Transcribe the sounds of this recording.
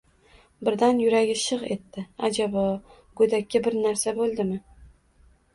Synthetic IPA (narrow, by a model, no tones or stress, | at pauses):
bɪɾd̪anjʊɾaɡʲɪʃɨʁe̞t̪ːɪa̰d͡ʒabɒ | ɡ̥od̪akʲːabɪɾnaɾsabolˠd̪ɪmɪ